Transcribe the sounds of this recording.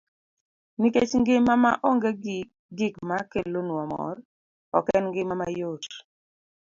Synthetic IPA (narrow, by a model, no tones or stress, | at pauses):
niket͡ʃŋɡɪmama̰ʔoŋɡe | ɡɪkmakelonwamɔ̰r | ɔkɛnŋɡɪmamajot